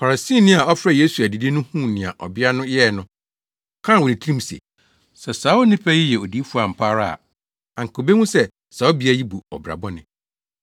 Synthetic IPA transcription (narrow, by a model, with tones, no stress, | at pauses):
fa˨ɾa˨si˦˨nɪ̃˦a˨ɔ˦fɾɛ˨je˦su˨æ˨di˨di˦nʊ̃˦hũ˦˨nɪ̃˨a̰˨ʔɔ̰˨bɪ˦a˦nʊ̃˦jɛ˦˨nʊ̃˦˨ | kʰã˦˨wɔ˨nĩ˨tʰɾĩ˦msḛ˨ | sɛ˨saː˨˦ʊ˦nĩ˦pʰa˦ji˦jɛ˨o˨di˦fu˦a˨m̩˨pʰa˦ɾa̰˦˨ | ã˨ŋ̩˨kʰo˨be˦wũ˦sɛ˦ | saː˨˦o˦bi˦a˦ji˦bu˨ɔ̰˨bɾa̰˨bɔ˦nɪ̃˨